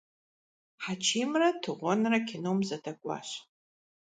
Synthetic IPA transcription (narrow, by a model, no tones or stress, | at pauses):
ħat͡ʃʰiːmrɐtʰɨʁʷɔnrɐkʰʲɪnumzɐdʰɐkʷʼa̰ɕ